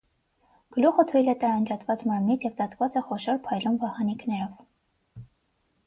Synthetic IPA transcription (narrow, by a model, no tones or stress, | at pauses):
ɡ̥əluχət̪ʰujlɛt̪ɑɾɑnd͡ʒɑt̪vɑt͡smɑɾmnit͡sʰjɛvt͡sɑt͡sʰvɑt͡sɛχɔʃɔɾpʰɑjlumvɑhɑniknɛɾɔv